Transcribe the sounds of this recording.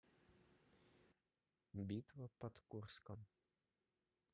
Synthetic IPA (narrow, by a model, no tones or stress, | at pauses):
bʲit̪ʋɔpɔt̪kurskɔm